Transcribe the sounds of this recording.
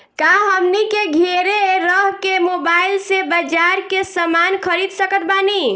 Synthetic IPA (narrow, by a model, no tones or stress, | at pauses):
kaɦəmnikeɡʱeɾeɾəɦkemobailsebəd͡ʒaɾkesəmankʰəɾid̪səkət̪̚bani